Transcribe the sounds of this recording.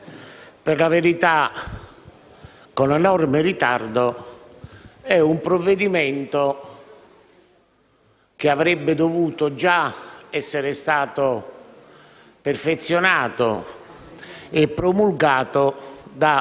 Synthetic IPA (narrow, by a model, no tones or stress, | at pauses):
pɪrlaveɾit̪a | konɛnɔrmerit̪ard̪o | ɛumpɾovːed̪imɛnt̪o | k̟eavɾɛbːɪd̪ovuːt̪od͡ʒaɛsːɪɾɪst̪aːt̪o | perfet̪sːjonaːt̪o̰ | epːɾomulɡaːt̪od̪a